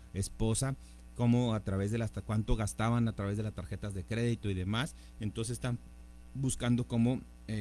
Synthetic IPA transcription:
e̞spo̞sa | ko̞mo̞at̪ɾaβe̞zðe̞laskwant̪o̞ɣast̪aβanat̪ɾaβe̞zðelast̪aɾxe̞t̪azðe̞kɾe̞ðit̪o̞iðe̞mas | ent̪o̞nsest̪a | buskand̪o̞ko̞mo̞ | e

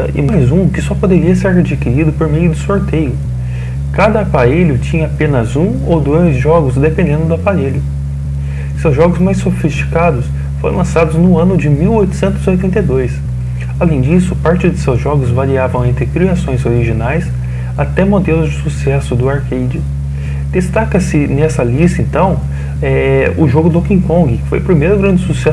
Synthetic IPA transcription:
ɪ̰majzũkɪsɔpod̪eɾiɐseɾhed͡ʒikiɾid̪ʊpoɾmejʊd̪ʊsoɾt̪ejʊ | kad̪ɐapaɾeʎʊt͡ʃĩɲɐapẽnɐzũ | o̰wd̪ojzʒɔɡʊzd̪epẽnd̪ẽnd̪ʊd̪ʊapaɾeʎʊ | sewzʒɔɡʊzmajsːofist͡ʃi̥kad̪ʊs | foɾʔlɐ̃sad̪ʊznʊ̃ɐ̃nʊd͡ʒɪmiwojt̪ʊ̥sẽnt̪ʊziojt̪ẽnt̪ejd̪ojs | alẽj̃d͡ʒisʊpaɾt͡ʃɪd̪ʊsewzʒɔɡʊzvaɾiavɐ̃w̃ẽnt̪ɾɪkɾiasõj̃zoɾiʒinajs | at̪ɛmod̪elʊzd͡ʒɪsusɛsʊd̪ʊaɾkejd͡ʒɪ | d̪̥est̪akɐsɪnɛsɐlist̪ɐẽnt̪ɐ̃w̃ | ɛʊʒoɡʊd̪okĩkõɡɪkɪ̥fo̰jʊpɾimejɾʊɡɾɐ̃nd͡ʒɪsusɛ

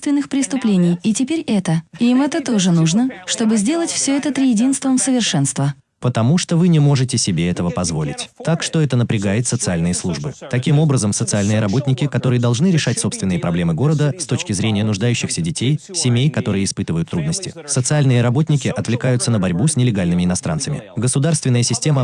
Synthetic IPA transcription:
st̪vʲɪnːɨxpɾʲɪst̪ʊplʲenʲɪjitʲɪpʲeɾʲɛt̪əimɛt̪ət̪o̞ʐɨnuʐnəʂt̪obɨzʲdʲe̞lˠətʲfsʲɵɛt̪ət̪ɾʲɪjɪdʲinst̪vəmsəvʲɪrʂɛnst̪və | pət̪ɐmuʂt̪o̞vɨnʲɪmo̞ʐɨtʲɪsʲɪbʲeɛt̪əvəpɐzvo̞̰lʲɪ̰tʲt̪akʂt̪o̞ɛt̪ənəpɾʲɪɡajɪt̪sət̪sɨalʲnɨjəslˠuʐbɨt̪ɐkʲimo̞bɾəzəmsət̪sɨalʲnɨjəɾɐbo̞tʲnʲɪkʲɪkɐt̪o̞ɾɨjəd̪ɐlˠʐnɨɾʲɪʂatʲso̞pst̪vʲɪnːɨjəpɾʔɐblʲe̞mɨɡo̞ɾəd̪əst̪o̞t͡ɕkʲɪzɾʲenʲɪjənʊʐd̪ajʉɕːɪxsʲədʲɪtʲejsʲɪmʲejkɐt̪o̞ɾɨjəɪspɨt̪ɨvəjʊt̪ːɾud̪̚nəsʲtʲɪ̰sət̪sɨalʲnɨjəɾɐbo̞tʲnʲɪkʲɪʔɐt̪vlʲɪkajʊt̪sənəbɐɾʲbusʲnʲɪlʲɪɡalʲnɨmʲɪɪnɐst̪ɾʔa̰nsəmʲɪ̰ɡəsʊd̪arst̪vʲɪnːəjəsʲɪsʲtʲemə

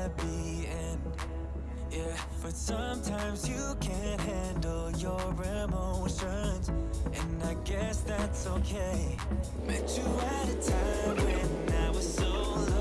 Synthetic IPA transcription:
bi | ɨ̃n | jæ | b̥ʌtsʌ̃mtʰãɪ̃mzjɨ | kʰɨ̃nɦæ̃ndl̩ˠjə˞ɹɛmoʊstɹɛnzʔɨ̃naɪɡɛsðætsoʊkʰeɪ | b̥ɨt͡ʃɨɨɾɨtʰãɪ̃mɨ̃naɪwʌz̥soʊ

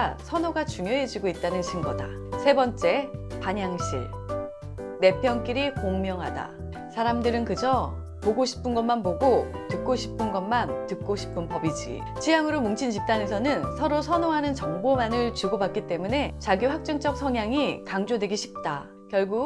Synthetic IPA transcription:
sʰʌnoɡat͡ɕuŋjoɦe̞d͡ʑiɡoit̚t͈anɯnɕʰinɡʌda̰ | sʰe̞bʌnt͡ɕ͈e̞paɲaŋɕʰḭɭ | ne̞pʰjʌnk͈iɾikoŋmjʌŋɦada̰ | sʰaɾamdɯɾɯnkɯd͡ʑʌ | poɡoɕʰi̥pʰɯnɡʌnmanpoɡotɯk̚k͈oɕʰi̥pʰɯnɡʌmantɯk̚k͈oɕʰi̥pʰɯnpʌbid͡ʑḭ | t͡ɕijaŋɯɾomuŋt͡ɕʰint͡ɕip̚t͈anesʰʌnɯnsʰʌɾosʰʌnoɦanɯnt͡ɕʌŋbomanɯɭt͡ɕuɡobak͈it͈e̞mune̞t͡ɕaɡiɸwak̚t͡ɕ͈ʌŋt͡ɕ͈ʌk̚sʰʌŋjaŋikaŋd͡ʑodwe̞ɡiɕʰi̥p̚t͈a | kjʌɭɡu

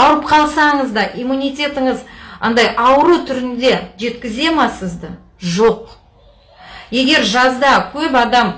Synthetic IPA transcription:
ɑwɾəp̚qʰɑlˠsɑɴəzd̪ɑʔijmunʲijt̪ʲe̞t̪ɪɴəzɑ̰nd̪ɑjɑwəɾut̪ʰʏɾɪnd̪e̞ʒe̞t̪kʲɪze̞mɑsəzd̪ə | ʒo̞q̚ | je̞ɡʲe̞ɾʒɑzd̪ɑkʲʰɵpɑd̪ɑm

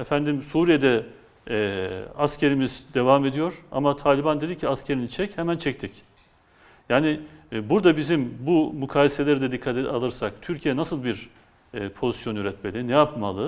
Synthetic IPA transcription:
ɛfænd̪imsuːɾijed̪ɛ | ascʰe̞ɾimizd̪e̞vame̞d̪ijo̞ɾ̥a̰mat̪ʰaːlʲiband̪ed̪icʰiascʰe̞ɾinit͡ʃʰɛchɛmænt͡ʃʰɛct̪ʰic | jaːnɪbuɾd̪abizimbumukʰaːlese̞lʲeɾid̪ɛd̪ikʰːat̪ɛa̰lˠɯɾsakt̪ʰyɾcʰijɛnasɯlˠbiɾ | pʰo̞zisjo̞nyɾɛt̪me̞lʲinɛjapmalˠɯ

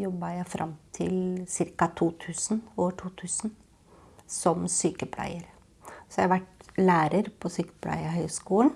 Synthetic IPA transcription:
jɔbːɑjæɪfɾʔɑ̰mt̪ʰɪlsɪɾkɑt̪ʰuːt̪ʰʉːsnoːʋəʈʰuːt̪ʰʉːsn | sɔmsyːkəpʰlæ̰ɪəɾ | sɔjæhɑʋæʈlæːɾəɾpʰɔsyːkə̥pʰlʔæ̰ɪəɾɦœʏskuːlən

